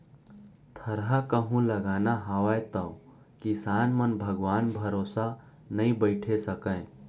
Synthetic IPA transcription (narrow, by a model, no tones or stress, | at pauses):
t̪ʰɐɾɦakəɦũlɐɡaːnaɦaːʋaet̪əo | kisaːnmənbʱəɡʋaːnbʱəɾoːsa | nɐĩbəɪʈʰesəkə̃